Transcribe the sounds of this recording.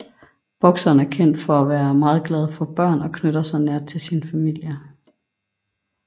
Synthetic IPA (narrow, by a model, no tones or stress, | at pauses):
b̥ɒ̽ɡ̥sɐːn̩æɐkʰen̰d̥fɒ̽æʋæːɐmɑ̈ːð̞̩ˠɡ̥lɛð̞ˠfɒ̽b̥ɶɐ̰nɒ̽kʰnøɾ̥ɐsɑ̈ɪneɐ̰t͡sʰe̝lsinfæmil̰jɐ